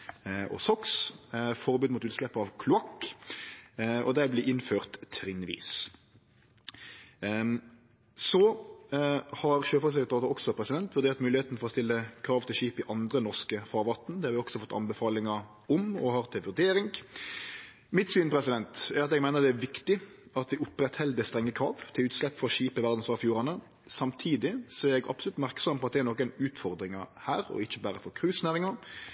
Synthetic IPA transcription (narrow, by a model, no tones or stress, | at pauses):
ʔɔ̰sɔksfɔʁbʉːd̪mut̪ʉːt̪slɛpːəɑʋkʰlʊɑkː | ɔ̰d̪æblɪʔɪnføːʁt̪ʰːɾɪnʋḭːs | sɔ | hɑɾʃøːfɔsɛkt̪ɑːt̪ʊɾɔksɔpʰɾɛsɪd̪ɛnt̪ʋʉɾd̪eːʁt̪mʉːlɪheːt̪nfɔʁɔst̪ɪlːəkʰɾɑːʋt̪ʰɪlʃiːpɪʔɑnd̪ɾənɔʁskəfɑːʁʋɑt̪ːn̩d̪ɛhɑɾʋɪɔksɔfɔt̪ːɑ̰nbəfɑːlɪŋɑ | ɔmɔhɑʁt̪ʰɪɛʋʉɾd̪eːɾɪŋ | mɪt̪syːnpʰɾɛsɪd̪ɛnt̪ɛɾɑt̪ɛɡmæɪnəɾd̪ɛæɾʋɪkt̪ɪ | ɑt̪ʋɪʊpːɾɛt̪hɛld̪əst̪ɾɛŋːəkʰɾɑːʋt̪ʰɪlʉːt̪slɛpːfɔɾɔʃiːpəʋæʁd̪n̩sʋɑːʁfjuːɾɑnə | sɑmt̪ʰiːd̪ɪsɔɛɡɑ̰pslʉt̪ːmæɾksɔmpɔɑt̪̚d̪ɛæɾnoːkənʉːt̪fɔɾd̪ɾɪŋɑhæːɾɔ̰ɪçːəbæːɾəfɔɾkʰɾʉːsnæːɾɪŋɑ